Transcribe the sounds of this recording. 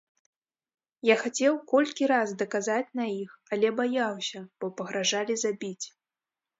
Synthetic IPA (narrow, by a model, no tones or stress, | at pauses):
jaxat͡sʲɛwkɔlʲkʲiɾazd̪ɐkazat͡sʲnɐixalʲɛbajawsʲɐb̥ɔpɐɣɾaʐalʲizabʲit͡sʲ